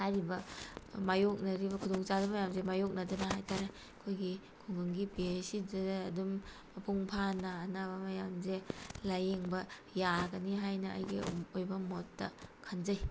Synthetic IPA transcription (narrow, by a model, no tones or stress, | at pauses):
haɾibɐmajok̚nɐɾibɐkʰudɔŋt͡ʃadumajamzemajok̚nɐd͡ʒɐnaɦajtʰaɾe | kʰojɡi | kʰuŋɡɯŋɡipiesidɐɐdumː | ɐpuŋpʰanɐːnabɐmajamzelajeŋbɐjaɡɐniɦajnɐʔːjɡiojbɐmotːɐkʰanzaj